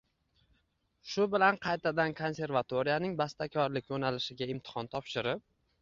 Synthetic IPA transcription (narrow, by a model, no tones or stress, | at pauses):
ʃʊbɪlanqʰɑjt̪ʰad̪ankʰo̞nse̞ɾvat̪ʰoɾijanɪŋbast̪akʲʰɒɾlɪkʲjonalɪʃɪɡʲaɪmt̪ʰɪ̥hɒnt̪ʰɒpʃɪɾɪp̚